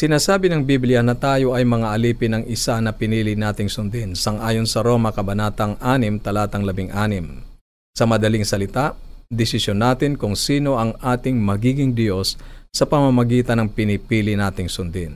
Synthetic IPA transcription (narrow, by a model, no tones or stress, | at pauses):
sɪnaːsaːbɪnɐŋbiblɪjɐnɐt̪aːjo̞ʔɐjmɐŋaʔɐliːpɪnɐŋɪsanɐpɪniːlɪnaːt̪ɪŋsʊnd̪ɪnsɐŋʔaːjo̞nsɐɾo̞ːmɐkɐbɐnaːt̪ɐŋʔaːnɪmt̪ɐlaːt̪ɐŋlɐbɪŋʔaːnɪm | sɐmɐd̪ɐlɪŋsɐlɪt̪aʔd̪ɪsɪsjonːaːt̪ɪnkʊŋsiːno̞ʔɐŋʔaːt̪ɪŋmɐɡiːɡɪŋd̪jo̞sːɐpɐmɐmɐɡiːt̪ɐnɐŋpɪnɪpiːlɪnaːt̪ɪŋsʊnd̪ɪn